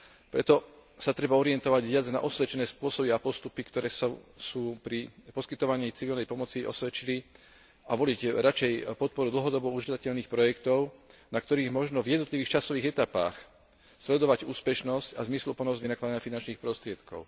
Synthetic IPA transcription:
pɾɛt̪ɔsat̪ɾɛbaɔɾiɪɛnt̪ɔʋaɟʋɪad͡zna̰ʔɔsʋɛt͡ʃɛnɛːspʊɔsɔbiapɔst̪upikt̪ɔɾɛːsɔsuːpɾipɔskit̪ɔʋaɲiːt͡siʋilnɛjpɔmɔt͡siʔɔ̰sʋɛt͡ʃili | aʋɔliɟɾat͡ʃɛjpɔt̪̚pɔɾud̪l̩ɦɔd̪ɔbɔuʒd̪acɛʎniːxpɾɔjɛkt̪ɔʊnakt̪ɔɾiːɣmɔʒnɔvjɛd̪nɔt̪liʋiːxt͡ʃasɔʋiːɣɛt̪apa̰ːx | slɛd̪ɔʋaɟuːspɛʃnɔscazmislupɔnɔzʋinaklad̪aɲafinant͡ʃniːxpɾɔst̪ɾɪɛt̪kɔ̰ʊ

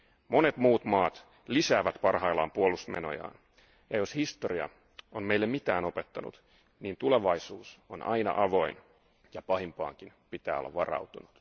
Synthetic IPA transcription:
mo̞ne̞t̪muːt̪mɑːt̪ | lisæːʋæt̪pɑrɦɑilːɑ̰ːmpuolːust̪mḛno̞̰jɑ̰ːn | jɑjoshist̪oɾiɑ̰ | onmeilːemit̪æːnope̞t̪ːɑnṵt̪ | niːnt̪ule̞ʋɑisuːsonʔɑ̰jnɑ̰ʔɑʋo̞in | jɑpɑhimpɑ̰ːŋkinpit̪æːolːɑ̰ʋʋɑrɑ̰ut̪unut̪

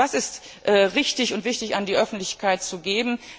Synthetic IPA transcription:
vasɪst | ʔɛːʁɪçtɪçʊntv̥ɪçtɪçandiːʔœfn̩tlɪçkʰaɪt̚t͡suɡeːbm̩

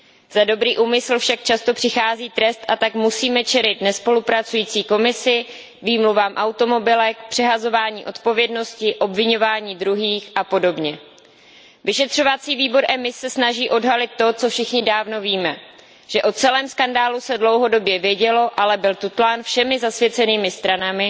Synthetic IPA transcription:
z̥ado̞bɾiːʔuːmɪsl̩fʃak̚t͡ʃast̪o̞pr̝̥ɪxaːziːt̪ɾɛst̪ʔat̪akmusiːmɛt͡ʃɛlɪt̪nɛspo̞lupɾat͡sujiːt͡siːko̞mɪsɪ | viːmluvaːmʔawt̪o̞mo̞bɪlɛkpr̥ɛɦazo̞vaːɲiːʔo̞t̪po̞vjɛdno̞scɪʔo̞bvɪɲo̞vaːɲiːd̪ɾuɦiːxʔapo̞do̞bɲɛ | vɪʃɛt̪r̥o̞vat͡siːviːbo̞ɾʔɛmɪsːɛsnaʒiːʔo̞dɦalɪt̪ːo̞t͡so̞fʃɪxɲɪdaːvno̞viːmɛ | ʒ̥ɛʔo̞t͡sɛlɛːmskandaːlusɛdlo̞wɦo̞do̞bjɛvjɛɟɛlo̞ʔalɛbɪlt̪ut̪laːnfʃɛmɪzasvjɛt͡sɛniːmɪst̪ɾanamɪ

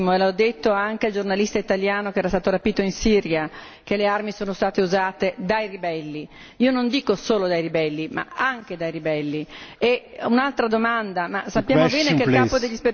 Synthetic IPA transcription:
moelaɔd̪ːet̪ːoaŋkeald͡ʒornalist̪ait̪aljaːnokeɛɾast̪aːt̪oɾapiːt̪oinsiɾja | kelearmisoːnost̪aːt̪euzaːt̪ed̪ajribɛlːi | iːonond̪iːkosoːlod̪ajribɛlːima̰aŋk̟ed̪ajɾibɛlːieunalt̪ɾad̪omand̪amasapːjaːmobɛːnekelkaːpod̪eʎːispe

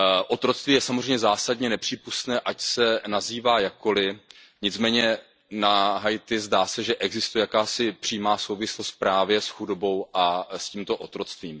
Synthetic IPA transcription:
ʔot̪ɾo̞t͡st̪viːjɛsamozr̝ɛjmɲɛzaːsadɲɛnɛpr̝̥iːpust̪nɛːʔacsɛnaziːvaːjakko̞lɪ | ɲɪt͡smɛːɲɛ | naɦajt̪ɪzdaːsɛʒɛʔɛɡzɪst̪ujɛjakaːsɪpr̥ijmaːso̞wvɪslost̪pɾaːvjɛsxudo̞bo̞wʔasciːmt̪o̞ʔot̪ɾo̞t͡st̪viːm

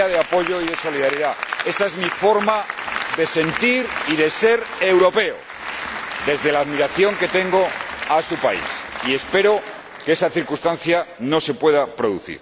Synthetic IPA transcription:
aðeapo̞ʝo̞iðe̞so̞liðaɾiðae̞saezmifo̞ɾmaðe̞se̞nt̪iɾiðe̞se̞ɾe̞wɾo̞pe̞o̰ | ðe̞zðe̞laːðmiɾaθjo̞ŋke̞t̪e̞ŋɡo̞asupaḭsie̞spe̞ɾo̞ | keesaθiɾkust̪anθjano̞se̞pwe̞ðapɾo̞ðṵθḭɾ

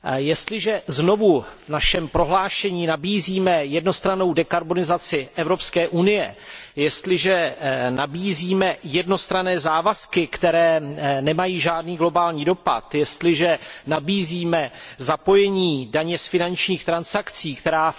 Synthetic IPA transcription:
jɛst̪lɪʒɛzno̞vuvnaʃɛmpɾo̞ɦlaːʃɛɲiːnabiːziːmɛjɛdno̞st̪ɾano̞wdɛkaɾbo̞nɪzat͡sɪʔɛvɾo̞pskɛːʔunɪjɛjɛst̪lɪʒɛnabiːziːmɛjɛdno̞st̪ɾanɛːzaːvaskɪkt̪ɛɾɛːnɛmajiːʒaːdniːɡlo̞baːlɲiːdo̞pa̰t̪jɛst̪lɪʒɛnabiːziːmɛzapo̞jɛɲiːdaɲɛsfɪnant͡ʃɲiːxt̪ɾansakt͡siːkt̪ɛɾaː

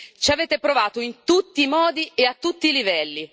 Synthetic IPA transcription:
t͡ʃaveːt̪epɾovaːt̪oint̪ut̪ːiːmɔːd̪ieat̪ːut̪ːiːlivɛlːi

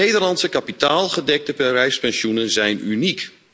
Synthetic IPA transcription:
ejdərlɑntsəkapitaːlˠχədɛk̚təpɛrɛjspɛnsjunənzɛjnynik

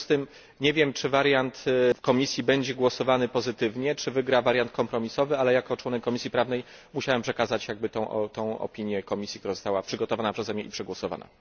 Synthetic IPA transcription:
st̪ɘm | ɲɛvʲjɛmt͡ʂɘvaɾjant̪fkɔmʲisʲjibɛɲd͡ʑɛɡwɔsɔvanɘpɔzɘt̪ɘvɲɛt͡ʂɘvɘɡɾavaɾjant̪̚kɔmpɾɔmʲisɔvɘalɛjakɔt͡ʂwɔnɛkːɔmʲisʲjipɾavnɛjmuɕawɛmpʂɛkazat͡ɕjaɡ̚bɘt̪ɔ̃w̃ʔt̪ɔ̃w̃ɔ̰pʲiɲjɛkɔmʲisʲjikt̪uɾazɔst̪awapʂɘɡɔt̪ɔvanapʂɛzɛmʲɛʔipʂɛɡwɔsɔva̰na̰

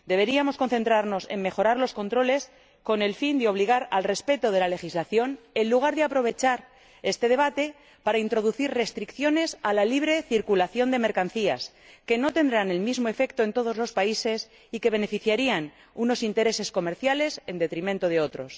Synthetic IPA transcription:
d̪e̞β̞e̞ɾiamo̞sko̞nθe̞nt̪ɾaɾno̞se̞mme̞xo̞ɾaɾlo̞sko̞nt̪ɾo̞le̞s | ko̞ne̞lfind̪eo̞β̞liɣ̞aɾalre̞spe̞t̪o̞ðe̞lale̞xizlaθjo̞n | e̞nluɣ̞aɾðeapɾo̞β̞e̞t͡ʃaɾ | e̞st̪e̞ð̞e̞β̞at̪e̞ | paɾaint̪ɾo̞ð̞uθiɾre̞st̪ɾikθjo̞ne̞salaliβ̞ɾe̞θiɾkulaθjo̞nd̪e̞me̞ɾkanθias | ke̞no̞t̪e̞nd̪ɾane̞lmizmo̞e̞fe̞kt̪oe̞nt̪oð̞ozlo̞spaise̞s | ike̞β̞e̞ne̞fiθjaɾian | uno̞sint̪e̞ɾe̞se̞sko̞me̞ɾθjale̞se̞nd̪e̞t̪ɾimẽnt̪oðe̞o̞t̪ɾo̞s

